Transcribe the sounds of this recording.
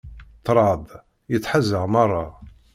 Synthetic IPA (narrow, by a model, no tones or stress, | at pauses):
t̪ːɾˤɑd̪ˤ | jət͡sːħazːəʁmɑrˤːɑ̰